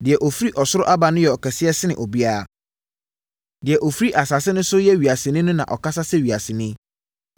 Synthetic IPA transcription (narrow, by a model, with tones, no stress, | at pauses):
dɪ˨ɛ˨ʔɔ˨fi˦ɾi˦ʔɔ˨sʊ˦ɾʊ˦ʔa˦ba˨nʊ̃˦jɛ˨ɔ˨kɛ˨sɪ˦ɛ˦sɪ˦nɪ̃˨ʔɔ˨bi˦a˦a˨ | dɪ˨ɛ˨ʔɔ˨fi˦ɾi˦ʔa˨saː˨sɪ˦nʊ̃˦sʊ˦jɛ˦ɥi˨a˨sɪ˨nɪ̃˦nʊ̃˦nã̰˨ʔɔ̰˨kʰa˦sa˦sɛ˦ɥi˨a˨sɪ˨nɪ̃˦